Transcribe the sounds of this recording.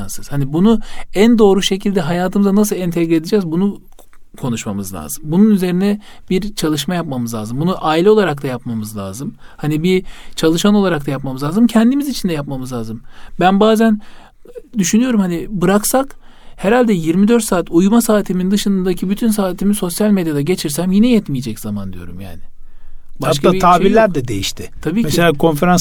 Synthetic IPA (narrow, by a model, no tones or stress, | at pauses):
sɯz̥hanibunuænd̪o̞ːɾuʃe̞cʰilʲd̪ɛɦajaːt̪ʰɯmɯzanas̬ɯlˠɛnt̪ʰɛɡɾɛd̪id͡ʒɛːzbunu | kʰo̞nuʃma̰mɯzlʲa̰ːz̥ɯmbununyze̞ɾinɛ | biɾt͡ʃʰalˠɯʃmajapmamɯzlʲˠa̰ːzɯmbunuʔaːilʲɛo̞lˠaɾak̚t̪ʰˠajapmamɯzlʲˠa̰ːzɯmhanibit͡ʃʰalˠɯʃano̞lˠaɾak̚t̪ajap̚mamɯzlʲˠaːzɯmcʰɛnd̪imizit͡ʃʰind̪ɛjapmamɯzlʲˠaːzɯmbænbaːzæn | d̪yʃynyjo̞ɾumhanibɯɾaksak | hɛɾalʲd̪ɛjiɾmid̪øɾt̪saːt̪ʰujmasaːt̪ʰimind̪ɯʃɯnɯnd̪acʰibyt̪ʰyns̬aːt̪ʰimizso̞sjalʲmed̪jad̪aɟe̞t͡ʃʰiɾsæmjinɛjɛt̪mijed͡ʒɛcz̥amand̪ijo̞̰ɾṵmja̰ːnɪ | bahaʃkaaːit̪ʰaːbiɾlʲæɾd̪ɛd̪e̞jiʃt̪ʰɪt̪ʰabiːcmɛselʲaːkʰo̞nfeɾans